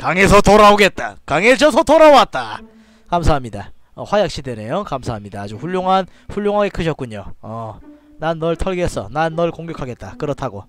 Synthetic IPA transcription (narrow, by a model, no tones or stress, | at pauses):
kaŋe̞sʰʌtoɾaoɡe̞t̚t͈a̰kaŋed͡ʑʰʌsʰʌtoɾawat̚t͈a | kamsʰaɦamɲida | ʌwajak̚ɕ͈ʰideɾejokamsʰaɦamɲidaːd͡ʑuɸuʎːjoŋɦanɸuʎːoŋɦaɡe̞kʰɯɕʰʌt̚k͈uɲoʌ | nanːʌɭtʰʌɭɡes͈ʌ̰nanːʌɭkoŋɡjʌkʰaɡe̞t̚t͈akɯɾʌtʰaɡo